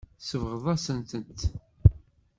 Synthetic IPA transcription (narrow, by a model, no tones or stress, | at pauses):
səvʁəðˤɑsənt̪ənt̪